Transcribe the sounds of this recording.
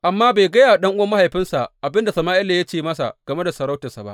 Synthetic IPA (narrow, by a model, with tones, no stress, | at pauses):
ʔa˨mːaː˦be˨ɡɐ˦jaː˨ɗɐ˦ŋʔʊ˦wɐ˦mːa˦ha˨jɸɪ˦nsa˨ʔʔa˨bɪ˦nda˨sɐ˨maː˦ʔɪ˦la˨ja˦t͡ʃeː˦˨mɐ˦sa̰˨ʔɡ̥ɐ˨me˦da˨sɐ˨ɾa˦wtɐ˨sa˨ba̰˦ʔ